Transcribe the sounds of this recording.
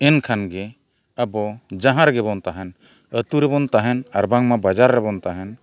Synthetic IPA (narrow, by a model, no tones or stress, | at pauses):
ɛnkʰanɡɛ | abɔd͡ʒaɦãɾɡɛbɔnt̪aɦɛn | ət̪uɾɛbɔnt̪aɦɛnaɾbaŋmabad͡ʒaɾːɛbɔnt̪aɦɛn